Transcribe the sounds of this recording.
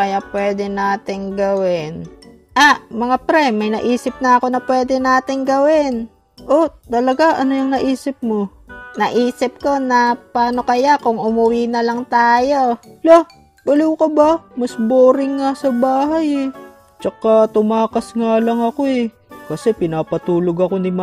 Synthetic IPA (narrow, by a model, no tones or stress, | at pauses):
kɐjapwɛd̪ɛnaːt̪ɪŋɡɐwɪn | ʔamɐŋapɾɛmɐjnɐʔiːsɪp̚nɐɐko̞nɐpwɛːd̪ɛnaːt̪ɪŋɡɐwɪn | ʔot̪ɐlɐɡaʔɐnojʊŋnɐʔiːsɪp̚mo̞ | nɐʔiːsɪp̚ko̞nɐpaːno̞kɐjakʊŋʊmʊwinɐlɐŋt̪aːjo̞loh | bʊluwkobɐmɐsboːɾɪŋːasɐbaːɦɐjɛ | t͡ʃɐkat̪ʊmaːkɐsŋalɐŋɐko̞ɛ | kɐsɛpɪnaːpɐt̪uːloɡɐko̞nɪm